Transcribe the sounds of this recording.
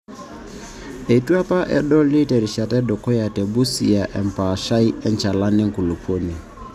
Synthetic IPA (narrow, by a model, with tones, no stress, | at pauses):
e˨twa˦pa˦ʔɛ̰˦ɗɔ˦li˦te˨ɾi˨ʃa˨tɛ˦dɔ˨kɔ˦ja˨tɛ˨bu˦si˨ja˨ʔɛ˨m˨pa˨ʃa˦i˦ɛ˦nt͡ʃa˨la˦nɪ˦ŋ̩˨ku˨lu˨pʰo˦ni˨